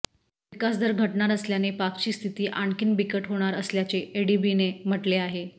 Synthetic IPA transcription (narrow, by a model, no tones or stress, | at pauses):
ʋikasd̪ʱəɾɡʱəʈɳaɾəsljanepakt͡ɕiːst̪ʰit̪iːʔaɳkiːnbikəʈɦoɽ̃aɾəsljat͡seeɽibinem̤əʈleaɦe